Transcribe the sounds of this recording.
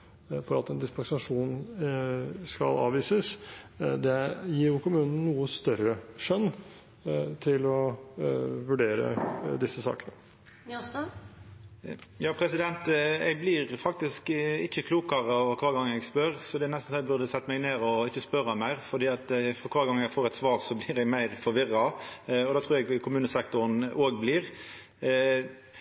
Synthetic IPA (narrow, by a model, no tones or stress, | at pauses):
fɔɾɑt̪ɛnd̪ɪspɑsɑʂuːn | skɑ̰lɑ̰ːʋiːsəs | d̪ɛjiːɾjʊkʊmʉːnən̩ːuːəst̪œɾəʂœnː | t̪ʰɪlɔ | ʋʉɖeːɾə̰d̪ɪsːəsɑ̰ːkənə | s | jɑːpʰɾɛsɪd̪ɛnt̪ɛɡ̚blɪɾfɑk̚t̪ɪskɪçːəkʰluːkɑʁəɔʋəɾkʰʋɑːɾɡɑŋːəɛɡspœɾsɔd̪ɛːnɛst̪n̩sɔmɛɡ̚bʉɾd̪əsɛt̪ːəmæɪɡneːɾɔɪçːəspœɾɑmæɪʁfɔd̪iːɑt̪fɔkʰʋɑːɾɡɑŋːɛɡfoːɾɛt̪sʋɑːʁsɔblɪʁɛɡmæɪʁfɔɾʋɪʁːɑɔd̪ɑːt̪ʰʁuːɾɛɡkʰʊmʉːnəsɛkt̪ʊɾnoːɡblɪːʁ